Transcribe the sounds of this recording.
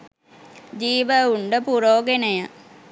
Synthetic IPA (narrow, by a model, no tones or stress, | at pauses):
d͡ʑiːʋəuɳɖəpuɾoːɡenəjə